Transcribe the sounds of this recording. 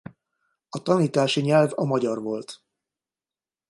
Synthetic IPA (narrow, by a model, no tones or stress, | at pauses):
ɒt̪ɒniːt̪aːʃiɲɛlvɒmɒɟɒrvo̞lt̪